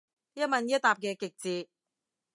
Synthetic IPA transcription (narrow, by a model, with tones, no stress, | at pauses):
jɐ˥t̚mɐ˧njɐ˥t̚t̪aː˨p̚kɛː˧kɪ˨k̚t͡siː˧t̚